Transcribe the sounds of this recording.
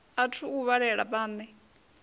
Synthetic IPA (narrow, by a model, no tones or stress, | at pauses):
atʰuuβaɺɛɺapʼaːnɛ